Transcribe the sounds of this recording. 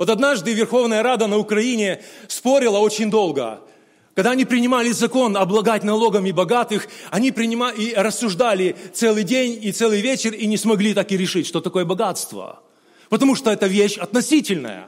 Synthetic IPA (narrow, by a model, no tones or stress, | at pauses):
vo̞t̪ɐd̪naʐd̪ɨvʲɪrxo̞vnəjəɾad̪ənəʊkɾɐinʲɪspo̞ɾʲɪlˠəo̞t͡ɕɪnʲd̪o̞lˠɡə̰ | kɐɡd̪aɐnʲipɾʲɪnʲɪmalʲɪzɐko̞nɐblˠɐd̪atʲnɐlˠo̞ɡəmʲɪbɐɡat̪ɨxɐnʲipɾʲɪnʲɪmaiɾəsːʊʐd̪alʲɪt̪sɛlˠɨjdʲenʲit̪sɛlˠɨjvʲet͡ɕɪrinʲɪsmɐɡlʲit̪akɪɾʲɪʂɨtʲʂt̪ot̪ɐko̞jəbɐɡat̪st̪və̰ | pət̪ɐmuʂt̪oɛt̪əvʲeɕɐt̪nɐsʲitʲɪlʲnə̰jə̰